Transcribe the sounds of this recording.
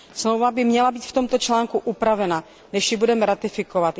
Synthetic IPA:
smlowvabɪmɲɛlabiːt̪ft̪o̞mt̪o̞t͡ʃlaːŋkuʔupɾavɛna | nɛʃjɪbudɛmɛɾat̪ɪfɪkovat̪

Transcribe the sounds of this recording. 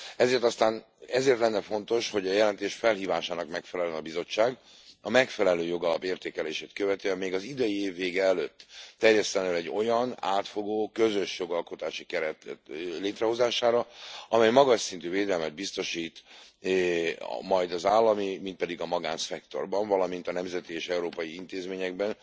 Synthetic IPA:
ɛzeːrt̪ɒst̪aːn | ɛzeːrt̪lɛnːɛfo̞nt̪o̞ʃho̞ɟɒjɛlɛnt̪eːʃfɛlɦiːvaːʃaːnɒkmɛkfɛlɛlɛnɒbizo̞t͡ʃːaːɡ | ɒmɛkfɛlɛløːjo̞ɡɒlɒ̰peːrt̪eːkɛleːʃeːt̪køvɛt̪øɛmeːɡɒzid̪ɛjieːvːeːɡɛːløːt̪ːɛrjɛst̪ɛnøːlɛɟːo̞jɒna̰ːt̪fo̞ɡoːkø̞zø̞ʃjo̞ɡɒlko̞t̪aːʃikɛɾɛt̪leːt̪rɛɦo̞zaːʃaːɾɒɒmɛjmɒɡɒʃsint̪yːveːd̪ɛlmɛd̪̚bist̪o̞ʃiːt̪ː | mɒjd̪ɒzaːlːɒmimint̪pɛd̪iɡɒmɒɡaːnsɛkt̪o̞̰rbɒɱvɒlɒmint̪ɒnɛmzɛt̪ieːʃɛuɾoːpɒjiint̪eːzmeːɲɛɡbɛn

